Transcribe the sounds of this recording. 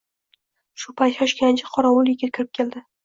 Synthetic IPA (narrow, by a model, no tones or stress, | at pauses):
ʃʊpajt̪jɒʃkʲant͡ʃʰɪqʰɒɾawʊljɪkʲat̪kʲʰɪɾɪp̚kʲʰeld̪ɪ